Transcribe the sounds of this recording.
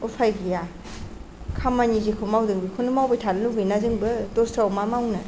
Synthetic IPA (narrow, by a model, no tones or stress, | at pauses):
upʰajɡija | kʰamanizikʰomawdɯŋbikʰonɯmawbejtʰanɯluɡinazɯŋbɯdostawmamawnɯ